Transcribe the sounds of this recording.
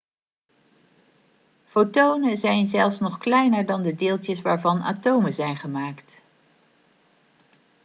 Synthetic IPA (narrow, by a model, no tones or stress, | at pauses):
fotownəzɛjnzɛlˠfsnɔχklɛjnəɹdɑndədɪːlˠtjəsʋaːɹvɑna̰ːtowməzɛjnχəmaːkt